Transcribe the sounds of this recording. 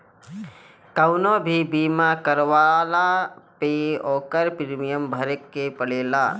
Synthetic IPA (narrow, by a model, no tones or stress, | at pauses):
kəʊnobʱibiːmakəɾʋaːlapeɔːkəɾpɪɾmijəmbʱəɾekːepəɽeːlaː